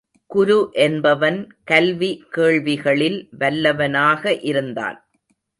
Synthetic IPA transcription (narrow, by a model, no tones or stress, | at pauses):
kʊɾʊʔɛnbɐʋɐn | kɐlʋikeːɭʋɪɣɐɭɪlʋɐlːɐʋɐnaːɣɐʔɪɾɯnd̪a̰ːn